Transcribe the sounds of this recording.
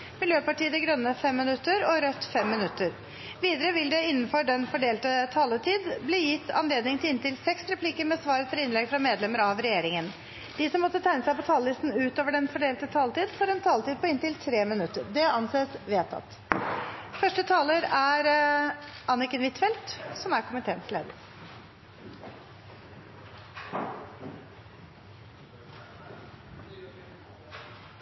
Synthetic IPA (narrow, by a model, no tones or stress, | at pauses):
mɪljøːpɑʈiːəd̪ɛɡɾœnːəfɛmːɪnʉt̪ːəɾɔɾœt̪ːfɛmːɪnʉt̪ːəɾ | ʋiːd̪əɾəʋɪld̪ɛɪnːn̩fɔɖɛnfɔɖeːlt̪ət̪ʰɑːlət̪ʰiːd̪bliːjɪt̪ːɑ̰nleːd̪nɪŋt̪ʰɪlɪnt̪ɪlsɛksɾɛpʰliːkəɾmɛsʋɑːɾət̪ʰɔɾɪnlɛɡfɾɑmeːd̪lɛməɾɑʋɾɛjeːɾɪŋən | d̪̥ɪsɔmːɔt̪ːət̪ʰæɪnəsæɪpɔt̪ʰɑːləlɪst̪n̩ʉːt̪oːʋəɖɛnfɔɖeːlt̪ət̪ʰɑːlət̪iːd̪foːɾɛnt̪ʰɑːlət̪iːd̪̚pʰɔɪnt̪ɪlt̪ʰɾeːmɪnʉt̪ːəɾɖɛɑnseːsʋeːt̪ʰɑ̰t̪ː | fœʂʈət̪ʰɑːləɾæɾ | ʔɑnɪkənʋɪt̪fɛlt̪sɔmæɾkʰʊmɪt̪ʰeːənsleːd̪ə̰ɾ